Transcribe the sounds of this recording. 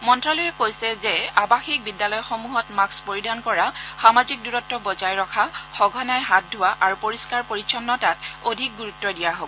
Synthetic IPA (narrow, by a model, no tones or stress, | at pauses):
mɔntɹalojɛkojsɛzɛabaxik̚bidːalɔjxomuɦɔtmakspoɹidʱankɔɹaxamazik̚duɹɔtːɔbɔzajɹɔkʰaxɔɡʱɔnajɦat̚dʱʊwaʔaɹupoɹiskaɹpoɹit͡ʃʰɔnːɔtatodʱik̚ɡuɹutːɔdijaɦobɔ